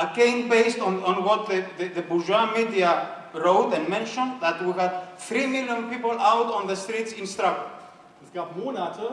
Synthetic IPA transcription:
əkẽɪ̃nbeɪstɔ̃nɔ̃nwɔt̪̚ðəðɨðəbuʒwamidia | ɹoʊtɛ̃nmɛ̃nʃɔ̃nd̪ðætwihæd̚θɹimiljə̃npipəl̩awtɔ̃nðəstɹitsɪ̃nstɹaɡə | ɪtɡapmunat

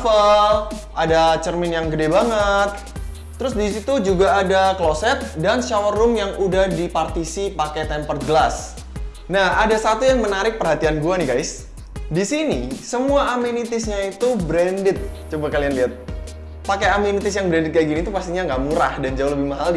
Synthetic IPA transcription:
fəlʔadat͡ʃərmɪnjaŋɡədebaŋət̪ː | əɾʊsdisit̪ud͡ʒuɡaːdaklosɛt̪̚danʃawrʊmjaŋudahdipart̪isipakɛt̪ɛmpərɡəlas | nahʔadasat̪ujaŋmənaɾɪk̚pərɦat̪ianɡuanihɡajs | disinisəmuaːminit̪ɪsɲait̪ubɾɛndɪt̪̚t͡ʃobakalianliat̪̚ | pakejaminit̪ɪsjaŋbɾɛndɪt̪̚kajaɡinit̪upast̪iɲaŋɡaʔmuɾahdand͡ʒaʊuhləbɪhmaɦal

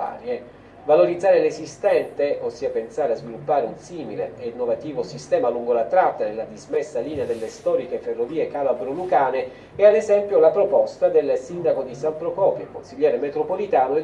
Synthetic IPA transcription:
a̰ːɾje | valoɾid̪zːaːɾelesist̪ɛnt̪eʔosːiːapensaːɾeazvilupːaːɾeunsiːmilḛenːovat̪iːvosist̪ɛːmaluŋɡolat̪ɾat̪ːanelːad̪izmesːaliːnead̪elːest̪ɔːɾikeferːoviːekalabɾolukaːne | ɛad̪ezɛmpjolapɾopɔst̪ad̪elsind̪akod̪isampɾokɔːpjekonsiʎːɛːɾemet̪ɾopolit̪aːnoe

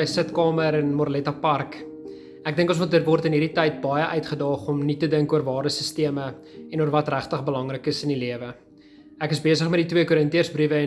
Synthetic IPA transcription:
jsətkɑːməɾɛnmɔrlɛtɑpɐrk | æk̚dəŋkə̃nsmotdətvɔrtənɦiɾitɛjt̚bɐjəʔœɥtχədɑːχɔmnitədəŋkuərvɑːrdəsəstiəmə | ɛnuərvɐtræχtəχbəlɐŋrəkəsəniliəvə | ækəsbiəsəχmɛt̚ditwiəkuɾəntiərsbrivə

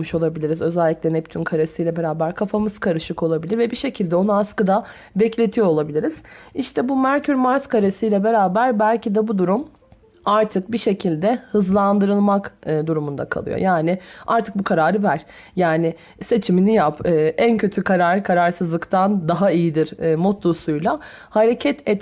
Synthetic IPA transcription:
mɯʃo̞lˠabilʲiɾizø̞zɛlʲːiclʲɛnɛp̚t̪ʰynkʰaɾasɯjlʲɛbe̞ɾaːbæɾkʰafamɯz̥kʰaɾɯʃɯko̞lˠabilʲiɾvɛbiʃe̞cʰilʲd̪ɛo̞nuaskɯd̪a | bɛclʲe̞t̪ʰijo̞lˠabilʲiɾiz̥iʃt̪ʰɛbumæɾcʰyɾmaɾskʰaɾasɯjlʲɛbe̞ɾaːbæɾbælʲcid̪ɛbud̪uɾum | aɾt̪ʰɯk̚biʃe̞cʰilʲd̪ɛhɯzlˠand̪ɯɾɯlˠmakːd̪uɾumund̪a̰kʰa̰lˠɯ̰jo̰jaːnɪaɾt̪ʰɯk̚bukʰaɾaːɾɯvæɾ̥ | jaːnɪ | se̞t͡ʃʰiminijapɯːʔæncʰø̞t̪ʰykʰaɾaːɾɯkʰaɾaɾsɯzlˠɯkt̪ʰand̪aɦaijid̪iɾːmot̪lˠusujlˠahaɾe̞cʰɛt̪ʰɛt̪

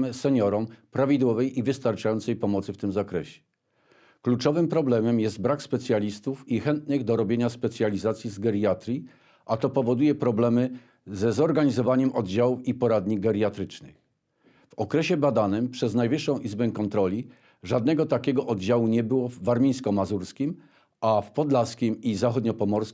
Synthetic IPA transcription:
ɘsɛɲɔɾɔmpɾavʲid̪wɔvɛjivɘst̪aɾt͡ʂajɔnt̪sɛjpɔmɔt̪sɘft̪ɘmzakɾɛɕɛ̥ | klut͡ʂɔvɘmpɾɔblɛmɛmjɛst̪bɾakspɛt̪sʲjalʲist̪ufixɛnt̪nɘɣd̪ɔɾɔbʲjeɲaspɛt̪sʲjalʲizat̪sʲjizɡɛɾʲat̪ɾʲi | ʔat̪ɔpɔvɔd̪ujɛpɾɔblɛmɘ | zɛzɔɾɡaɲizɔvaɲɛmʔɔd̪d͡ʑawufipɔɾad̪ɲiɡɛɾʲjat̪ɾɘt͡ʂnɘ̰x | vɔkɾɛɕɛbad̪anɘmpʂɛznajvɘʂːɔ̃w̃ʔizbɛkɔnt̪ɾɔlʲi | ʐad̪nɛɡɔt̪akʲɛɡɔʔɔd̪d͡ʑawuɲɛbɘwɔvaɾmʲij̃skɔmazuɾskʲim | afpɔd̪laskʲimizaxɔd̪ɲɔpɔmɔɾsk

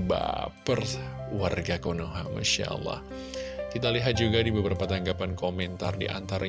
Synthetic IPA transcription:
ba̰pərwarɡakonoɦa̰ma̰ʃa̰lːɑ̰h | k̪it̪aliɦat̪̚d͡ʒuɡadibəbɾapat̪aŋɡapankomɛnt̪a̰rdḭʔa̰nt̪aɾa

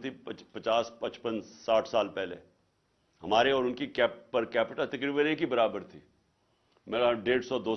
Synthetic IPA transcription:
t̪ʰippɐt͡ʃaːspɐt͡ʃpənsaːʈʰsaːlpɛɦlḛ | ɦɐmaːɾeɔːɾʊnkikɛːppɐɾkɛːpɪʈat̪ɐkɾiːbənẽkibɐɾaːbəɾt̪ʰiː | mɛ̃ːɾaɖeːʈsɔd̪oː

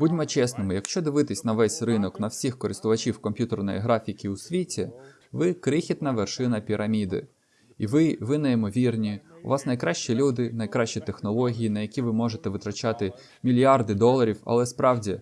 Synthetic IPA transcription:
budʲmɔt͡ʃɛsnɪmɪjɐkʃt͡ʃɔd̪ɪʋɪt̪ɪsʲnɐʋɛsʲrɪnɔknɐwsʲixkɔɾɪst̪ʊʋɐt͡ʃiwkɔmʲpʲjut̪ernɔ̰jḭɦɾɑfʲikʲiusʲʋʲitʲi | ʋɪkɾɪxʲit̪nɐʋerʃɪnɐpʲiɾʔɐmʲid̪ɪ̰ | iʋɪʋɪnɐjimɔʋʲirnʲiʊ̰ʋɑsnɐjkɾɑʃt͡ʃilʲud̪ɪnɐjkɾɑʃt͡ʃit̪exnɔlˠɔɦʲijinɐjɐkʲiʋɪmɔʒet̪ɛʋɪt̪ɾɐt͡ʃɑt̪ɪ | mʲilʲjard̪ɪd̪ɔlˠɐɾʲiwɐ̰lˠɛspɾɑwdʲi

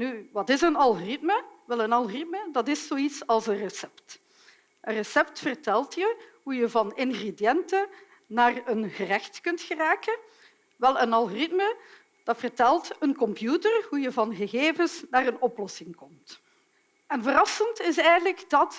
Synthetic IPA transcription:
nyʋɑtɪzənɑlˠɣorɪtməʋɛlˠənɑlˠɣorɪt̚mədɑtɪsːoːitsɑlˠsənrəsɛpt | ʔənrɛsɛptfərtɛlˠtjəɦujəvɑnɪnɣredijɛntə | naːrənɣərɛxtkɵntxəraːkə | ʋɛlˠənɑlˠɣorɪtmə | d̥ɑtfərtɛlˠtənkɔmpjutərɦujəvɑnɣəɣeːvəsnaːrənɔplɔsɪŋkɔmt | ɛnvərɑsəntɪs̬ɛjəələkdɑt

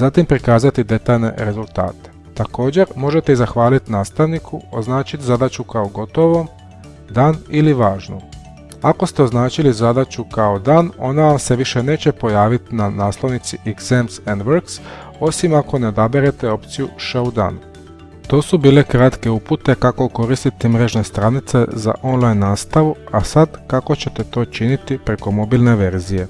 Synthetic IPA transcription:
zat̪impɾikaːzat̪id̪e̞t̪aːʎne̞̰ɾe̞zulˠt̪a̰ːt̪e̥ | t̪ako̞ːd͡ʑe̞ɾmo̞ʒe̞t̪e̞izaxʋaːlit̪inaːst̪aʋnikʰuoznaːt͡ɕit̪zad̪at͡ɕukaoɡo̞t̪o̞ʋo̞m | d̪aːniliʋaːʒno̰m | ako̞st̪e̞oznaːt͡ɕilizad̪at͡ɕukao̞d̪aːno̞̰nase̞ʋiʃe̞ne̞ːt͡ɕepo̞jaːʋit̪inanaːslˠo̞ʋnit̪siʔeɡz̥emsend̪ʋeɾks | o̞simako̞ne̞o̞d̪abeɾe̞t̪e̞o̞pt̪sijuʃoud̪a̰ːn | t̪o̞ːsubiːle̞kɾat̪ke̞uput̪e̞kako̞ko̞ɾist̪it̪imɾe̞ʒne̞st̪ɾanit̪se̞za̰ʔo̞nlajnːaːst̪aʋuasad̪kako̞t͡ɕe̞t̪e̞t̪o̞ːt͡ʃinit̪ipɾeko̞mo̞bilne̞ʋe̞ɾzije̞

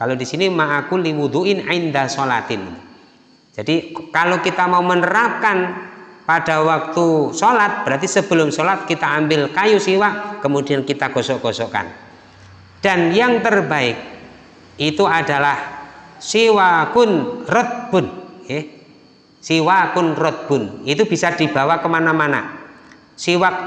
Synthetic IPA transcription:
kalodisinimaʔakuliwuðuʔɪnʕɪnd̪asola̰t̪ɪn | d͡ʒ̥adikalokit̪amaumənəɾap̚kanpad̥awak̚t̪usɔlat̪̚b̥əɾart̪isəb̥əlʊmsɔlat̪̚kit̪aːmbɪlkajusiwaʔkəmudiankit̪aɡ̥ɔsɔʔɡ̥ɔsɔka̰n | d̥anjaŋt̪ərbaɪk̚ | it̪uad̥alahsiwakʊnrɔt̪̚b̥ʊnjɛ | siwakʊnrɔt̪̚b̥ʊnit̪ub̥isad̪̥i̤b̥a̤wakəmanamana̰ | siwak̚

